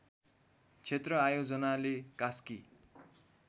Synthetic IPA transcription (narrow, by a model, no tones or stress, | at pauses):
t͡sʰet̪rʌajod͡zʌnalekaski